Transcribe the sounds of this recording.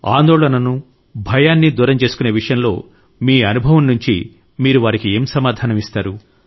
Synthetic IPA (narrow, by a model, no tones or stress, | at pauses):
aːnd̪oːɭɐnɐnu | bʱɐjaːnːid̪uːɾɐmt͡ʃeːsu̥kuneːʋiʂɐjɐmlo̞ː | miːɐnubʱɐʋɐmnuɲt͡ʃḭ | miːɾuʋaːɾikie̞ːmsɐmaːd̪ʱaːnɐmist̪aːɾu